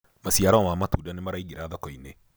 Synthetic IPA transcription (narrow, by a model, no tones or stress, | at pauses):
mɐsijaɾawamamːat̪uːdanimɐɾaiɡɪɾaðɐkɔine